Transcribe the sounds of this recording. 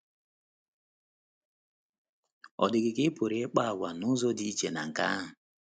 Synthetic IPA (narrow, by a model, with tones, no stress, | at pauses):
ɔ̰˨dɪ˨ɡɪ˨kɪ˦po˨ɾe˨˦k͡pa˦a˨ɡʷa˨nʊ˦zɔ˦di˦i˦t͡ʃe˨na̰˨ŋ̩˨ka̰˦ɦʊ˨